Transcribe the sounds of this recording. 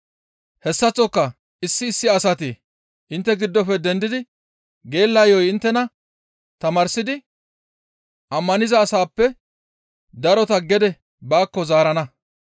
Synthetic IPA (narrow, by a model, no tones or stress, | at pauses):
hɛsːɐt͡sʼːɔkːɐ | ɪsːɪːsːɪɐsɐt̪i | ʔɪnt̪ːɛɡɪd̪ːɔfɛd̪ɛnd̪ɪd̪ɪ | ɡe̞ːlːɐjɔjɪnt̪ːɛnɐ | t̪ɐmaːɾsɪd̪ɪ | ʔɐmːɐnɪzɐːsaːpːɛ | d̪ɐɾɔt̪ɐɡɛd̪ɛ | baːkːɔzaːɾɐnɐ